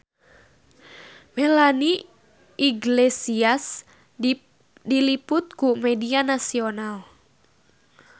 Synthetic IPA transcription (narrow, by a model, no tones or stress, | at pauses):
mɛlani | iɡlesias | dilipʊt̪̚kumɛdianasional